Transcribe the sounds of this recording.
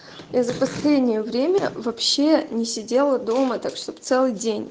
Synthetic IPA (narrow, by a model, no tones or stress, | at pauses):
jazəpɐsʲlʲedʲnʲɪjəvɾʲemʲəvɐpɕːe̞nʲɪsʲɪdʲe̞lˠəd̪o̞mət̪akʂt̪o̞pt̪sɛlˠɨjdʲenʲ